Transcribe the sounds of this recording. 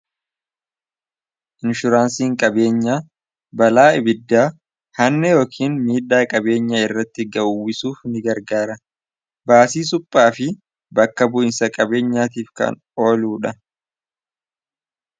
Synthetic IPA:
ʔɪnʃʊɾaːnsiːŋkʼɐbe̞ːɲːaː | bɐlaːɪbɪd̪ːaː | hɐnːɛjo̞ːkʰiːnmiːd̪ːaːkʼɐbe̞ːɲːaɪrːɐt̪ːɪɡɐʔʊwɪsuːfnɪɡɐɾɡaːɾɐ | baːsiːs̬ʊpʼːaːfɪ | bɐkːɐbʊʔɪnsɐkʼɐbe̞ːɲːaːt̪iːfkɐ̰n | o̞ːluːᶑɐ

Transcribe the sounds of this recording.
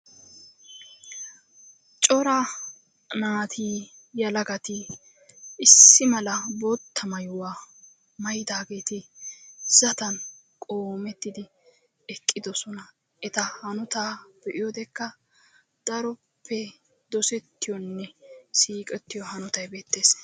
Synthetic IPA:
t͡ʃʼɔɾa | naːt̪ʰiː | jɐlɐɡɐt̪ɪ | ɪsːɪmɐlɐbot̪ʰːɐmɐjʊwaː | mɐjd̪aːɡe̞ːt̪ɪ | z̥ɐt̪ɐn | kʼoːmɛt̪ːɪd̪ɪ | ɛkʼːɪd̪ɔsɔnɐ | ʔɛt̪ɐhɐnɔt̪aːb̥ɛʔɪjɔd̪ɛkːɐ | d̪̥ɐɾɔ | pʰːɛ | d̪ɔsɛt̪ːɪjɔnːɛsiːkʼɛt̪ːɪjɔhɐnɔt̪ɐjbeːt̪ːe̞ːs

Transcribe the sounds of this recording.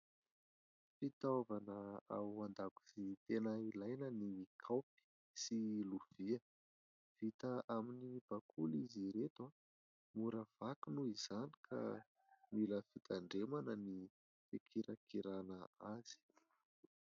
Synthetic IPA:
fit̪ovanəa̰wand̪aku̥zit̪enailajnəniikʰawpi̥ | siluviə | v̥it̪əʔaminib̥akʰuliziɾet̪wa | muɾəv̥akunuiz̥ani̥kʰa̰ | miləfit̪aɳɖ͡ʐemanəni | fekʰiɾakiɾanəaz̥i̥

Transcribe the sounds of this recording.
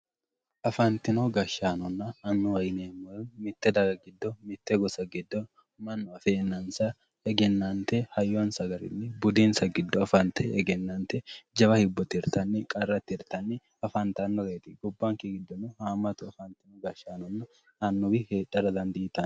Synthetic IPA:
ʔɐfɐnt̪ɪnɔɡɐʃaːnɔnːɐɐnːʊwɐjneːmːɔmɪt̪ːɛd̪ɐɡɐɡɪd̪ːɔmɪt̪ːɛɡɔsɐɡɪd̪ːɔ | mɐnːɔɐfeːnːɐnsɐ | ɛɡɛnːant̪ɛhɐjːonsɐɡɐɾɪ̰nːɪbʊd̪iːnsɐɡɪd̪ːɔɐfɐnt̪ʰɛɛɡɛnːant̪ɛd͡ʒɐbɐhɪbːɔt̪ɪɾt̪ɐnːɪkʼɐrːɐt̪ːɪɾt̪ɐnːɪ | ɐfɐnt̪ɐnːɔɾeːt̪ɪɡɔbːaŋkɪɡɪd̪ːɔnːʊhaːmːɐt̪ʊɐfɐnt̪ɪnɔɡɐʃaːnɔnːɐ | ɐnːʊwɪheːᶑɐɾɐd̪ɐnd̪iːt̪ɐn

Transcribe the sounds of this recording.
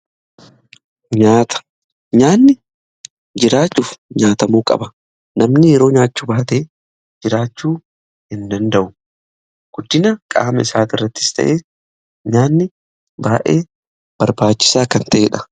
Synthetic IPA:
ɲaːt̪ɐ̥ | ɲaːnːɪ | d͡ʒɪɾaːt͡ʃːuːfɲaːt̪ɐmuːkʼɐ̰bɐ | nɐmnɪjɛɾo̞ːɲaːt͡ʃːʊbaːt̪eː | d͡ʒɪɾaːt͡ʃːuː | hɪnd̪ɐnd̪ɐʔʊ | ɡ̥ʊd̪ːɪnɐkʼa̰ːmɐɪsaːt̪ɪrːɐt̪ːɪ̥st̪ɐ̰ʔeː | ɲaːnːɪ | baːʔeː | b̥ɐɾbaːt͡ʃːɪ̥saːkɐnt̪ɐʔeːᶑɐ̥

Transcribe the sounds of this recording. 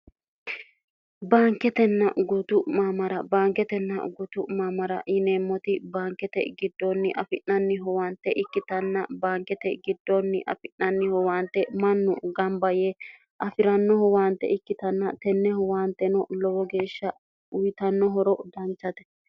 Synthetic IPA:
baːŋkɛt̪ɛnːɐ̰ɡʊt̪ʊmaːmɐɾɐbaːŋkɛt̪ɛnːɐ̰ɡʊt̪ʊmaːmɐɾɐ̰ʔɪneːmːɔt̪ɪbaːŋkːɛt̪ɛ̰ɡɪd̪ːonːɪʔɐfɪʔnːɐnːɪɦɔwaːnt̪ːɛʔɪkːɪt̪ɐnːɐbaːŋkɛt̪ɛɡɪd̪ːonːɪʔɐ̰fɪnnɐnːɪhɔwaːnt̪ːɛmɐnːʊ̰ɡɐmbɐjɛ | ʔɐfɪɾɐnːɔɦɔwaːnt̪ːɛ̰ɪkːɪt̪ɐnːɐt̪ɛnːɛhɔwaːnt̪ːɛnɔlɔwɔɡe̞ːʃːɐ | ʊjt̪ɐnːɔɦɔɾɔd̪ɐnt͡ʃːɐt̪ɛ̥

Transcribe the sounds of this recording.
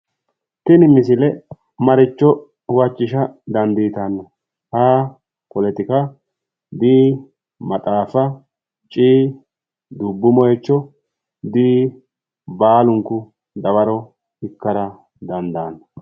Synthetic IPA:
t̪ɪnɪmɪs̬ɪlɛ | mɐɾɪt͡ʃːɔ | wɐt͡ʃʼːɪʃɐd̪ɐnd̪iːt̪ɐnːɐ | haː | kɔlɛt̪ɪkɐ | d̪iː | mɐt̪ʼaːfɐ | t͡ʃʼiː | d̪ʊbːʊmɔjɛt͡ʃːɔ | d̪iː | baːlʊŋkːʊ | d̪ɐbɐɾɔ | ɪkːɐɾɐ | d̪ɐnd̪aːnːɐ

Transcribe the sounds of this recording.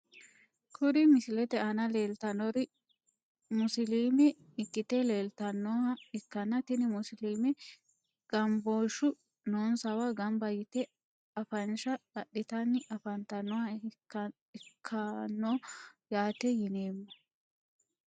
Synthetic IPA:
kʰʊɾɪmɪsɪlɛt̪ɛɐnɐle̞ːlt̪ɐnɔɾɪ | mʊsɪliːmɛ | ɪkːɪt̪ɛleːlt̪ɐnːɔɐɪkːɐnːɐt̪ɪnɪmʊsɪliːmɛ | ɡ̥ɐmboːʃʊ | noːnsɐwɐɡɐmbɐjɪt̪ɛ | ɐfɐnʃɐɐɗːɪt̪ɐnːɪʔɐfɐnt̪ɐnːɔwɐ | ɪkʰːɐnːojaːt̪ɛjɪneːmːɐ

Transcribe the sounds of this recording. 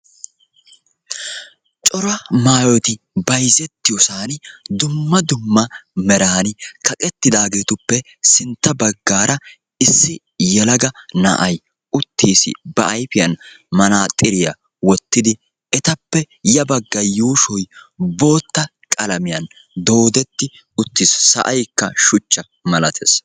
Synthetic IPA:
t͡ʃʼɔɾɐmaːjɔt̪ɪ | bɐjzɛt̪ːɪjɔsaːnd̪ʊmːɐd̪ʊmːɐmɛɾaːnɪkɐkʼɛt̪ːɪd̪aːɡe̞ːt̪ʊpːɛ | sɪnt̪ːɐbɐɡːaːɾʔɐ | ɪsːɪ | jɛlɐɡɐnɐ̰ʔɐj | ʔʊt̪ːiːsɪ̰bɐʔɐjfɪjɐn | mɐnaːt̪ʼɪɾɪjɐ̰ | wɔt̪ːɪd̪ɪ | ɛt̪ɐpːɛ | jɐbɐɡːɐjuːʃɔjbo̞ːt̪ːɐ | kʼɐlɐmɪjɐn | d̪o̞ːd̪ɛt̪ːɪ | ʊt̪ːɪssɐ̰ʔɐjkːɐ̰ʃʊt͡ʃːɐ | mɐlɐt̪ʰḛs

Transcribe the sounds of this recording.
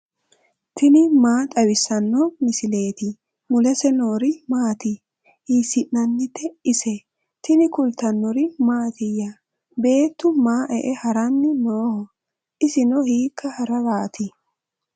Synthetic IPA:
t̪ʰɪnɪmaːt̪ʼɐwɪsɐnːɔmɪsɪle̞ːt̪ɪ | mʊlɛsɛnoːɾɪmaːt̪ɪ | hiːsɪʔnɐnːɪt̪ːɛɪsɛ | t̪ɪnɪkʊlt̪ːɐnːɔɾɪmaːt̪ɪjːa | be̞ːt̪ːʊmaːʔɛʔɛhɐɾɐnːɪnoːhɔ | ʔɪsɪnɔhiːkʰːɐhɐɾɐbaːt̪ɪ

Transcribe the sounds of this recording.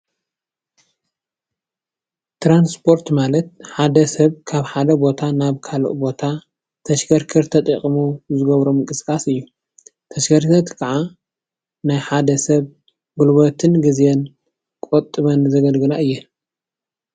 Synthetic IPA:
t̪ʰɾanspʰo̞ɾt̪malɐt̪̚ħad̪ɐsɐβkʰaβħad̪ɐbo̞t̪ʰanaβkʰalo̰ʔbo̞t̪ʰa | t̪ʰɐʃɡɐɾkʰɨɾt̪ʰɐt̪ʼɐkʼmuzɨɡɐβɾomɨŋkʼɨsɨ̥kʼasɨjːu | t̪ʰɐʃɡɐɾt̪ʰɐt̪kʰɐʕa | najħad̪ɐsɐβ | ɡulbot̪ʰɨnɡɨzɛn | kʼot̪ʼːɨβɐnzɐɡɐlɡɨlaʔɨjːɛ

